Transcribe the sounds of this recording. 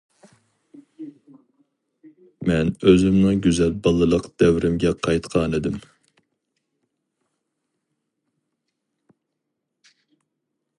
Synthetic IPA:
mɛnøzymnɨŋɡʲyzɛlbɑlˠɨlˠəqd̪̥ɛwɾɪmɡʲɛqʰɑjt̪qʰɑnɪd̪ɪm

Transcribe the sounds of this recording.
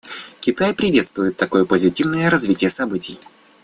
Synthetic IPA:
kʲɪt̪ajpɾʲɪvʲe̞t̪st̪vʊjɪt̪ːɐko̞jəpəzʲɪtʲivnəjəɾɐzvʲitʲɪjəsɐbɨtʲɪj

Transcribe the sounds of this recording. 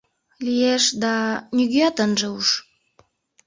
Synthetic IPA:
lijeʃd̪ɑnyɣiɑt̪ənʒeuʃ

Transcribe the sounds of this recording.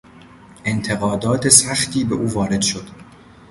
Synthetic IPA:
ʔe̞nt̪ʰe̞ɣɒːd̪ɒːt̪ʰe̞sæxt̪ʰiːbe̞ʔuːvɒːɾe̞d̪̥ʃo̞d̪̥

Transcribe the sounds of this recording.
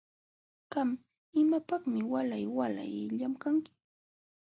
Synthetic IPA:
ɢam | ɪmapɑχmɪwalajwala̰jʎamkaŋkɪ̥

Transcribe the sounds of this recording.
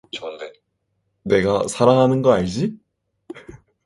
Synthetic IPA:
ne̞ɡasʰaɾaɦanɯnɡʌaɭd͡ʑi

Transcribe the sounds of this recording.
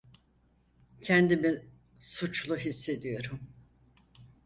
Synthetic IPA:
cʰɛnd̪imi | sut͡ʃlˠuɦisːe̞d̪ijo̞ɾum

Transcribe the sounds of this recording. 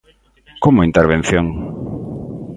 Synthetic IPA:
komʊint̪eɾβ̞ẽn̟θjoŋ

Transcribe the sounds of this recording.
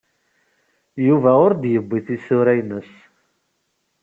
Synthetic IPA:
juvæʊɾd̪jəbːiθisʊɾæjnəs

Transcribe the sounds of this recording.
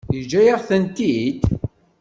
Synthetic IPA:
jəd͡ʒːæjəʁθənt̪id̪

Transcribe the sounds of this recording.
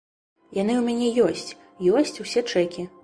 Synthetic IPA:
jan̪ɨumʲanʲɛjɔsʲt͡sʲ | jɔsʲt͡sʲusʲɛt͡ʂɛkʲi

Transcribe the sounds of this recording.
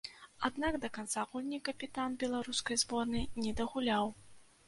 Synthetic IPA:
ad̪naɡd̪ɐkant̪saɣulʲnʲikɐpʲit̪anbʲɛlˠaɾuskɐjzbɔrnɨnʲɛd̪ɐɣulʲaw

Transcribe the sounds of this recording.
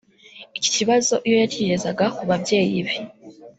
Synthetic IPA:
ici̥ciβazo̞ʔijo̞jaciɾe̞zaɡakuβabje̞ːjiβe

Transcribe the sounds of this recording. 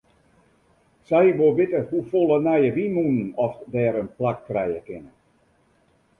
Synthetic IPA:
sɛjʋoʋɪtəhufolˠənɛjəʋimunnɔfdɛːɾənplak̚trɛjəkɪnə

